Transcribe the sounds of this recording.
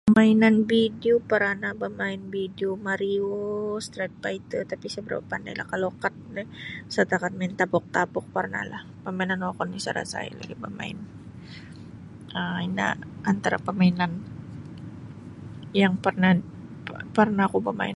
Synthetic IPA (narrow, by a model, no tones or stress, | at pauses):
ppəmainanbideopaɾanabamaɪnbideomaɾiost̪ɾɛt̪̚pait̪ət̪apisəbəɾa̰papanda̰jla̰hkalokat̪̚nɛsat̪akat̪̚maɪnt̪apɔk̚t̪apɔk̚parna̰lah | pəmainanwakɔnisə̰ɾa̰sa̰ḭla̰ɡibəma̰ɪ̰n | əina̰ːnt̪aɾa̰pəmainan | jaŋpərna | pərnaːkubəma̰ɪn